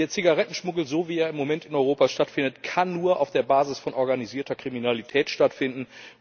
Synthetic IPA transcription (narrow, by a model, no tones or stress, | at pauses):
eːɐt͡siɡaʁɛtn̩ʃmʊɡl̩zoviːaːɪmːomɛntɪnɔʏʁ̞oːpaʃtatfɪndətkʰanːuːɐʔa̰ʊfd̥eːɐbaːzɪsfɔnʔɔɐɡaniziːɐtɐkʁ̥iminalitʰɛːtʃtatfɪndn̩